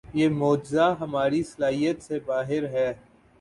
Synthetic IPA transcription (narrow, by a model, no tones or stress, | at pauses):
jeːmoːd͡ʒɪzaɦɐmaːɾisɐlaːɦijət̪sebaːɦɪɾɦɛː